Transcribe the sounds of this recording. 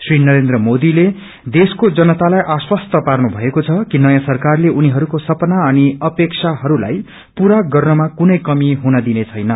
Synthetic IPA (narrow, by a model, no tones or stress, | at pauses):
srinʌɾend̪rʌmod̪ile | d̪eskod͡zʌnʌt̪alajʔaswʌst̪ʌparnubʱʌekot͡sʰʌkinʌjãsʌrkarleʔuniɦʌɾukosʌpʌnaʌniʌpeksʰaɦʌɾula̰j | puɾaɡʌrnʌmakunʌjkʌmiɦunʌd̪inet͡sʰʌjnʌ